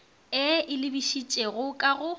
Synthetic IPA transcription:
ɪɪlɪbiʃit͡ʃʼɛɣʊkʼaɣʊ

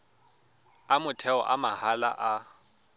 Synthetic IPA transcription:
amʊtʰɛɔ̰ʔamahala̰ʔa

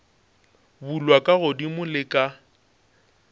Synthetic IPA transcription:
bulwakʼaɣʊdimʊlɪkʼa

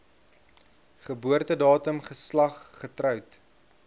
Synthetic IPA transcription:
χəbuərtədɑːtəmχəslɐχːətrœwt

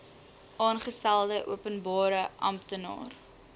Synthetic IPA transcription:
ʔɑːnχəstælˠdəʔṵəpənbɑːɾəʔɐ̰mptənɑ̰ːr

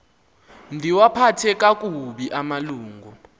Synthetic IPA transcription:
ndʱiwapʰatʰɛk̬ʼak̬ʼuɓiʔamaluːŋɡʱu

